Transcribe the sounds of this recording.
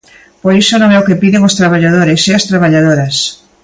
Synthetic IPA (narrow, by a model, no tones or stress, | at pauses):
poɾisonõŋɛokepiðeŋost̪ɾaβaʎað̞oɾeseast̪ɾaβaʎaðoɾɐs